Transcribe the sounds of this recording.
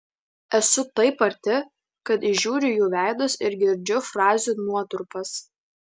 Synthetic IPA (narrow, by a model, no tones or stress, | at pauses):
ɛsʊt̪ɐɪpɐɾʲt̪ʲɪ | kɐt̪ɪʒʲuːɾʲɪjuːʋʲæˑɪd̪ʊsɪɾɡʲɪɾʲd͡ʒʲʊfɾɑːzʲunuɔt̪ʊɾpɐs